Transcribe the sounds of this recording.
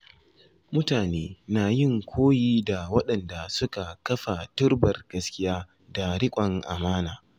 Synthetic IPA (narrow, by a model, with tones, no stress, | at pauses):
mʊ˦taː˨neː˦naː˨jɪ˦˨ŋkʷʰoː˦jiː˦da˨wɐ˦ɗɐ˨nda˨sʊ˦ka˨kɐ˦ɸa˨tʊ˦rbɐ˨rɡ̥ɐ˦skʲɪ˦jaː˦ | da˨ɽɪ˦kʷʼɐ˨ŋʔa̰˨maː˦naː˨